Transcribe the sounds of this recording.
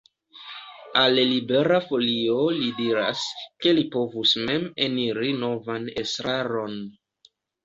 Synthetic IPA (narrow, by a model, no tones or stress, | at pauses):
allibe̞ɾafo̞lio̞lidiɾa̰ske̞lipo̞vusme̞meniɾino̞vanesɾaɾo̞n